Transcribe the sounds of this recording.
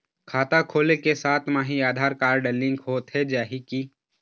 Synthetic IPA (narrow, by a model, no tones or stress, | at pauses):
kʰaːt̪akʰoːlekesaːt̪ʰmaːɦiaːd̪ʱaːɾkaːɾɖəlːɪ̃ŋɡhoːt̪ɦed͡ʒaːɦiki